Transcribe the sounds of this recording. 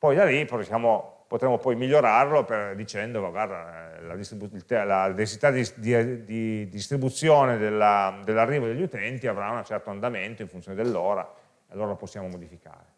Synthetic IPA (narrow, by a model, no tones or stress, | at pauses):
pɔjd̪aliposjaːmopot̪ɾemːopɔjmiʎːoɾarloped̪it͡ʃɛnd̪ovaɡward̪a̰la̰d̪ist̪ɾibuilt̪ɛlad̪et͡ʃsit̪ad̪id̪id̪id̪ist̪ɾibut̪sːjoːned̪elːad̪elːarːiːvod̪eʎːut̪ɛnt̪iavɾaunat͡ʃɛrt̪oand̪ament̪oiɱfunt̪sjoned̪elːɔːɾa̰ | ealːoːɾaloposːjaːmomod̪ifika̰ːɾe